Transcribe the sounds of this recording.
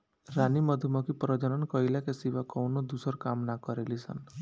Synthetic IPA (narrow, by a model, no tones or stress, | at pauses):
ɾanimʌd̪ʱumɔkipɾɔd͡ʒɔnɔnkɔjlakesiʋakɔwnɔd̪usɔɾkamnakɔɾelisa̰n